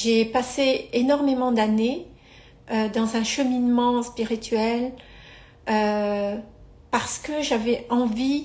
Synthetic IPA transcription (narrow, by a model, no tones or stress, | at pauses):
ʒepaseenɔʁmemɑ̃d̪ane | ød̪ɑ̃zɛ̃ʃəminmɑ̃spiʁit̪ɥɛl | ø | paʁsə̥kəʒavɛɑ̃vi